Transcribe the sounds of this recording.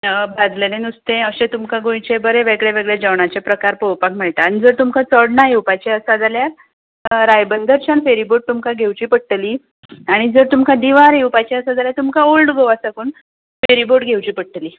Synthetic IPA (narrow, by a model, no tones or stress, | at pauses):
bʱad͡z̪lelenust̪ẽəɕẽt̪umkaɡõjt͡ɕebəɾeʋeɡɭeʋeɡɭed͡ʑawɳat͡ɕepɾəkaɾpowpak̚m̤əɭt̪aːñid͡zəɾt̪umkat͡səɽnaɦewpajt͡ɕeəsad͡zalja | ɾajbənd̪əɾt͡ɕanfeɾiboʈ̚t̪umkaɡʱewt͡ɕiːpəɽʈli | aɽ̃id͡zəɾt̪umkãd̪iʋaɾewpajt͡ɕeəsad͡zaljat̪umkaolɖɡoʋasakuːn | feɾiboʈɡʱewt͡ɕiːpəɽ̚ʈəli